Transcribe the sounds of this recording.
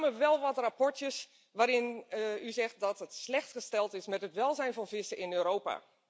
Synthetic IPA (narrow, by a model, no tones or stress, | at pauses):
məʋɛlˠʋɔtrapɔɹtjəs | ʋaːɾɪnyzɛxt̚dɔtətslɛxtxəstɛlˠtɪsmɛtətʋɛlˠzɛjnfɔnfɪsəɪnøːɾoːpa̰